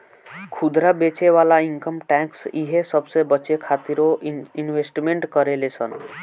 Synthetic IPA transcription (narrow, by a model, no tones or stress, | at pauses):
kʰud̪ɾabet͡ʃeʋalaiŋkəmʈɛ̃ksiɦesəbsebət͡ʃekʰat̪iɾoinʋesʈmẽɳʈkəɾelesʰə̰n